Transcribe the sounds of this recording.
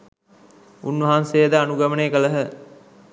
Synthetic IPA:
unːʋɐɦanseːd̪əanuɡɐmənekələɦə

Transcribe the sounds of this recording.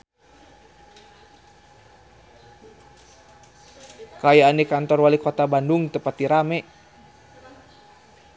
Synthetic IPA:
kajaːnikant̪ɔrwalikɔt̪abanduŋt̪əpat̪iɾamɛ

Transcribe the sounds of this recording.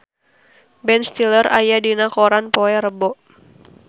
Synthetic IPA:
bɛnst̪ilərʔajadinakoɾanpoɛɾəbɔʔ

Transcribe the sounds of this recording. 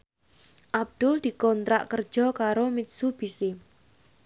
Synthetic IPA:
ʔab̚d̪̥ʊld̪̥i̤kɔnt̪ɾa̰ʔkər̥ʒ̥ɔ̤kaɾomɪt̪̚sub̥ise

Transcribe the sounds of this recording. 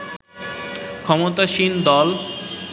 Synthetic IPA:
kʰɔmot̪aʃind̪ɔl

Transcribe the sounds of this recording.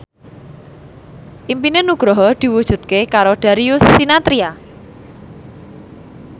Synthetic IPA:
ʔimpinenuɡ̥ɾɔɦɔd̪̥i̤wud̥ʒ̥ṳd̪̚kekaɾoɖ̪̥aɾiʊsːinat̪ɾia

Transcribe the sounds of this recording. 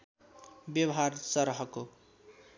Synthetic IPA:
bjʌwʌɦaɾsʌɾɦʌko

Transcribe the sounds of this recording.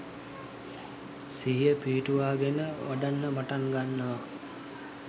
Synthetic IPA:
siɦijəpiːʈuʋaːɡenəʋaɖanːəmaʈaŋɡanːəʋa

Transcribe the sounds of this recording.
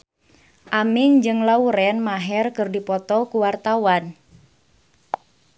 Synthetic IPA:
ʔamɪŋd͡ʒɨŋlauɾɛnmaɦɛrkɨrdipɔt̪ɔkuwart̪awan

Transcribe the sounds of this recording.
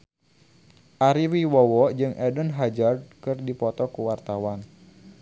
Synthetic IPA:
ʔaɾiwiwɔwɔd͡ʒɨŋʔɛdənɦad͡ʒard̚kɨrdipɔt̪ɔkuwart̪awan

